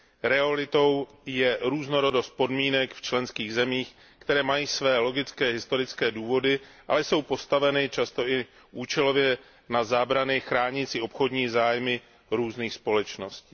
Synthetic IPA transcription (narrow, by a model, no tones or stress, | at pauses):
ɾɛalɪt̪o̞w | jɛɾuːzno̞ɾo̞do̞st̪̚po̞dmiːnɛkft͡ʃlɛnskiːɣzɛmiːx | kt̪ɛɾɛːmajiːsvɛːlo̞ɡɪt͡skɛːɦɪst̪o̞ɾɪt͡skɛːduːvo̞dɪʔa̰lɛso̞wpo̞st̪avɛnɪt͡ʃast̪o̞ʔɪ | ʔuːt͡ʃɛlo̞vjɛ | nazaːbɾanɪxɾaːɲɪt͡sɪo̞pxo̞dɲiːzaːjmɪ | ɾuːzniːxspo̞lɛt͡ʃno̞sciː